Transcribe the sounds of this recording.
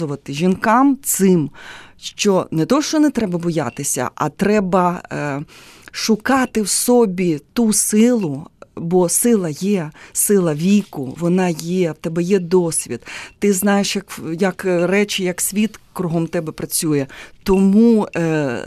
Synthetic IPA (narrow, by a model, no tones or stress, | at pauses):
ʊʋɐt̪ɪʒʲinkɑmt̪sɪmʃt͡ʃɔnɛt̪ɔʃt͡ʃɔnɛt̪ɾɛbɐbɔjɑ̰t̪ɪsʲɐ̰ʔɐ̰t̪ɾɛbɐ | ʃʊkɑt̪ɪwsɔbʲit̪usɪlˠʊbɔsɪlˠɐjɛsɪlˠɐʋʲikʊʋɔnɑjɛwt̪ɛbɛjɛd̪ɔsʲʋʲḭd̪̥t̪ɪznɑjeʃjɐkjɐkrɛt͡ʃɪjɐksʲʋʲit̪kɾʊɦɔmt̪ɛbɛpɾɐt͡sʲujɛt̪ɔmu